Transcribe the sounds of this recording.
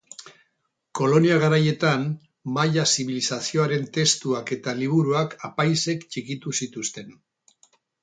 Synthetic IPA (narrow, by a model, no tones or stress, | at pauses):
ko̞lo̞niaɣ̞aɾaje̞t̪an | majasiβilisasio̞aɾe̞nt̪e̞st̪uake̞t̪aliβ̞uɾuakapajse̞kt͡ʃikit̪usit̪ust̪e̞n